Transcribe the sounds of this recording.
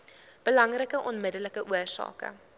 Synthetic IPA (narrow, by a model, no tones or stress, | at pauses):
b̥əlɐŋrəkəʔɔnmədələkəʔuərsɑ̰ːkə̰